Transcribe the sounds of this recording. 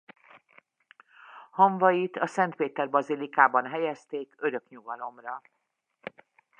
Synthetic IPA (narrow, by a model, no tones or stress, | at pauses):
hoɱvɒjit̪ɒsɛnt̪̚peːt̪ɛrbɒzilikaːbɒnɦɛjɛst̪eːkø̞ɾø̞kɲuɡɒlo̞mrɒ